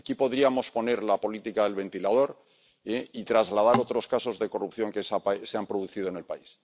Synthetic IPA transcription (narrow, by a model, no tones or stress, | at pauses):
akipo̞ðɾiamo̞spo̞ne̞ɾlapo̞lit̪ikaðe̞lβe̞nt̪ilað̞o̞ɾ | eit̪ɾazlað̞aɾo̞t̪ɾo̞skaso̞zðe̞ko̞rupθjo̞ŋkesapaseampɾo̞ðuθið̞o̞ene̞lpais